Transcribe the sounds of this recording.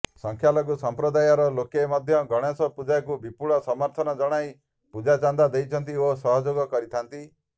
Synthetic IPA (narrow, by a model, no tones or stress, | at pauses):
sɔŋkʰjalɔɡusɔmpɾɔd̪ajɔɾɔlokemɔd̪ʱjɔɡɔɽ̃esɔpud͡ʒajkubipuɭɔsɔmɔɾt̪ʰɔnɔd͡ʒɔɽ̃aj | pud͡ʒat͡ʃand̪ad̪ejt͡ʃʰɔnt̪̬iosɔɦɔd͡ʒoɡɔkɔɾit̪ʰant̪i